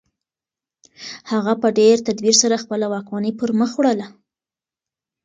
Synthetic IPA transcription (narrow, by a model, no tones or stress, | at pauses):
haɣapəɖeɾt̪ad̪wiɾsaɾaxpəlawɑkmɑnepəɾməxwɽəla